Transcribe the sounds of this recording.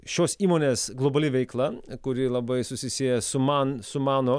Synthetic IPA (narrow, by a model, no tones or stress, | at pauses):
ʃʲoːsiːmoːnʲeːsɡlˠɔbɐlʲɪʋʲɛɪklˠɐkʊɾʲɪlˠɐbɐɪsʊsʲɪsʲijɛsʊmɑːnsʊmɑːno